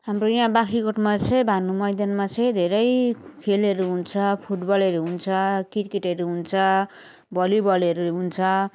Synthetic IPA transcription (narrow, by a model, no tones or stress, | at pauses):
ɦamrojãbakʰikoʈmat͡sʰʌj̃bʱanumʌjd̪jʌnmat͡sʰʌj̃d̪ʱeɾʌjkʰelʌɾuɦunt͡sʰʌpʰuʈbʌlʌɾuɦunt͡sʰʌkiʈkeʈeɾuɦunt͡sʰʌ | bʌlibʌlʌɾuɦunt͡sʰʌ